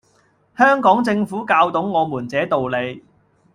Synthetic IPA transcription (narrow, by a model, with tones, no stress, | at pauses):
hœː˥ŋkɔː˨˥ŋt͡sɪ˧ŋfuː˨˥kaː˧wt̪o˨˥wŋɔː˨˧muː˨˩nt͡sɛː˨˥t̪o˨wle˨˧j